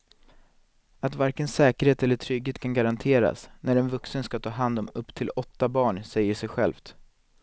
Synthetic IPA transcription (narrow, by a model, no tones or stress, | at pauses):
at̪vaɾkənsɛːkəɾheːt̪ɛlːəʈʰɾʏɡheːt̪kʰanɡaɾant̪ʰeːɾa̰snæɾɛnvɵksənskat̪ʰɑːɦand̪ɔmɵpːt̪ʰɪlɔt̪ːabɑːɳsɛjːəʂɛjɧɛ̰lft̪